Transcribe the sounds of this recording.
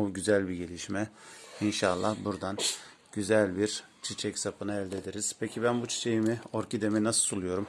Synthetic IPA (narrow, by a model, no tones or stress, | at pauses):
uɟyzælʲbiɟe̞lʲiʃmɛinʃalˠːahbuɾd̪an | ɟ̥yzælʲbiɾ | t͡ʃʰit͡ʃʰɛcsapɯnaɛlʲd̪ed̪iɾiz̥pʰecʰibænbut͡ʃʰi̥t͡ʃʰe̞jimioɾcʰid̪emɛnasɯ̥solˠujo̞ɾum